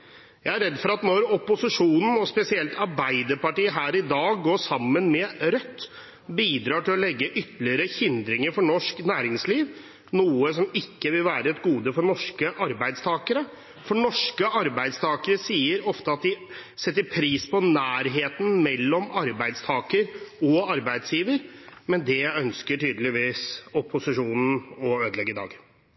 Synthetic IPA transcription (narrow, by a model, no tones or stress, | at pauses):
jæɪæɾɛd̪ːfɔɾɑt̪nɔɾɔpːʊsɪʂuːnn̩ɔspɛsɪɛlt̪ʰɑɾbæɪd̪əɾpɑʈiːəɦæːɾɪd̪ɑːɡːoːʂɑmːənmɛɾœt̪ː | biːd̪ɾɑːʈɪlɔlɛɡːəʔʏt̪ːəlɪəɾəçɪnd̪ɾɪŋəɾfɔɳɔʂknæːɾɪŋsliːʋ | nuːəsɔmɪkːəʋɪlʋæːɾəɛt̪ɡuːd̪əfɔɳɔʂkəʔɑɾbæɪd̪st̪ʰɑːkəɾə | fɔɳɔʂkəɑɾbæɪd̪st̪ʰɑːkəɾəsiːəɾɔft̪əɑt̪̚d̪ɪsɛt̪ːəɾpʰɾiːspʰɔnæːɾɦeːt̪n̩mɛlːɔmɑɾbæɪd̪st̪ʰɑːkəɾɔɑɾbæɪd̪sjiːʋəɾmɛnd̪ɛœnskəʈyːd̪əlɪʋiːsɔpʰʊsɪʂuːnn̩ɔøːd̪lɛɡːəɪd̪ɑ̰ːɡ